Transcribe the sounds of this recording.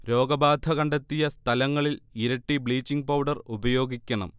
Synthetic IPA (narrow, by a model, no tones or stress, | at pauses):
ɾo̞ːɡɐbaːd̪ʱɐkɐɳɖɐt̪ːijɐst̪ʰɐlɐŋːɐɭiliɾɐʈːibɭiːt͡ɕːiŋɡ̚pɐwɖɐrubɐjo̞ːɡikʲːɐɳɐ̰m